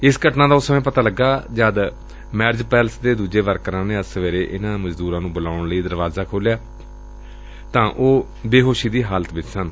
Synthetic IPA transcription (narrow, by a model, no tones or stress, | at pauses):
ɪsɡəʈnãːd̪aːʊsəmẽːpət̪aːləɡːaːd͡ʒaːd̪ | mɛːɾd͡ʒpɛːlsd̪eːd̪uːd͡ʒeːʋəɾkəɾãːneːəsəʋeːɾeːʔɪnãːməd͡ʒd̪uːɾãːnũːbʊlaːʊɳləiːd̪əɾʋaːzaːkʰoːljaː | t̪ãːʔoː | beːɦoːʃiːd̪iːɦaːlət̪ʋɪt͡ʃsən